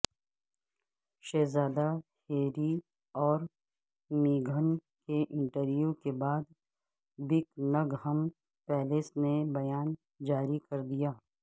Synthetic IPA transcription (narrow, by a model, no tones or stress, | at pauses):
ʃeːzaːd̪aheːɾi | ɔːɾ | miːɡʱən | keʔɪ̃ɳʈəɾjukebaːd̪ | bɪknɐɡɦəm | pɛːlesnebɐjaːn | d͡ʒaːɾikɐɾd̪ijaː